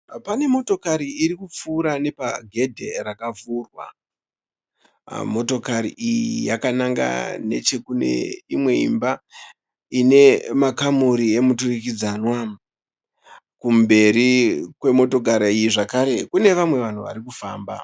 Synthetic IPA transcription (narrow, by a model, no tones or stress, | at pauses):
pane̞mo̞to̞kaɾiiɾikup͡fuːɾane̞paɡʱe̞dʱe̞rakavuːrwa̰ | mo̞to̞kaɾḭʔijijakanaŋɡa̰ne̞̰t͡ʃe̞kune̞̰imwe̞ḭmba | ine̞makamuɾie̞muturikid͡zaːnwa | kumbe̞ɾikwe̞mo̞to̞ɡʱaɾaijiʐakaɾe̞kune̞ʋamwe̞ʋan̤uʋa̰ɾikufaːmba̰